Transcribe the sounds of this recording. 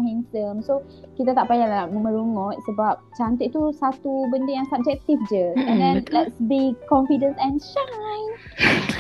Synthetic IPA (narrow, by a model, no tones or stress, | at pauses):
ɦĩŋsəmso | kit̪at̪aʔpajalaaməmə̃ɾuŋɔ̃t̪̚səbap̚t͡ʃant̪ət̪̚t̪usat̪ubəndəjaŋsab̚d͡ʒɛk̚t̪ifd͡ʒəɛ̃ndɛ̃nlɛtsbikɔ̃nfidə̃nsɛ̃nʃajn